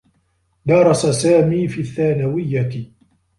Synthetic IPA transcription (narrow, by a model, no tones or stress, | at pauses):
d̪ɑɾˤɑsasaːmiːfiːθːaːnawɪjːat̪